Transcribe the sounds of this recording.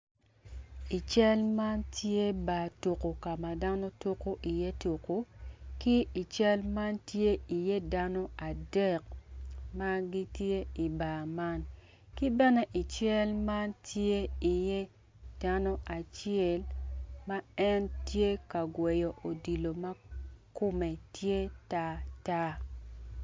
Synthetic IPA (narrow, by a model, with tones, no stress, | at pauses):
i˨t͡ʃɛ˦lma˦ntje˦ba˨to˨ko˨ka˨ma˨da˦no˦to˦ko˦ʔi˨je˦to˨ko˦ki˦i˨t͡ʃɛ˦lma˦ntje˦i˨je˦da˦no˦a˨dɛ˦˨k̚ma˦ɡi˦tje˦i˨ba˨ma˦n | ki˦bɛ˦nɛ˦ʔi˨t͡ʃɛ˦lma˦ntje˦i˨je˦ | d̥a˦no˦ʔa˨t͡ʃjɛ˦lma˦ɛ˦ntje˦ka˨ɡwe˨jo˨ʔo˨di˨lo˨ma˦ko˦me˨tje˦ta˦ta˦